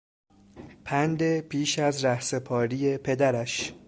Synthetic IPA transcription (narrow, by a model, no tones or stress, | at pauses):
pʰænd̪e̞pʰiːʃæzɾæhse̞pʰɒːɾije̞pʰe̞d̪æɾæʃ